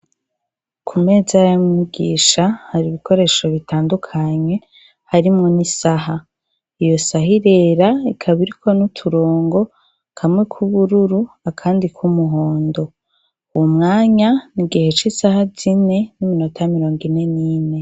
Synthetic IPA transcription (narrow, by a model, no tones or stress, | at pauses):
kʰume̞ːzajamuɡḭːʃahaɾiβikʰo̞ɾe̞ːʃo̞βitʰaːndukʰaɲe̞ | haɾimŋo̞nisaɦa | ijo̞saɦiɾe̞ːɾaikʰaβiɾikʰo̞nutʰuɾo̞ːŋɡo̞ | kʰamŋekʰuβuɾuɾu | akʰaːndikʰumuɦo̞ːndo̞ | uwumŋaːɲaniɡihe̞t͡ʃisahazine̞nimino̞tʰajmiɾo̞ːŋɡine̞niːne̞